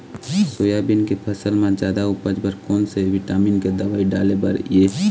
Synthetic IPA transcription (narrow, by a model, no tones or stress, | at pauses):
soːjabɪnkepʰəsəlmãd͡ʒjaːd̪aʊpəd͡ʒbəɾkoːnseʋɪʈaːmiːnked̪əʋaːiɖaːlebɐɾijeː